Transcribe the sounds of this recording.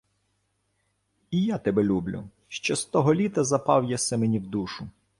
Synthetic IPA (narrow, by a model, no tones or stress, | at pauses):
ijat̪ɛbɛlʲublʲʊ̰ | ʃt͡ʃɔst̪ɔɦɔlʲit̪ɐzɐpɑwjasɛmenʲiwd̪uʃʊ